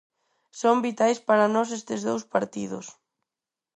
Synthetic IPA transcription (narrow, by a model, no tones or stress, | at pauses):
sombit̪ajspaɾanɔsest̪ɪzðowspaɾt̪iðʊ̰s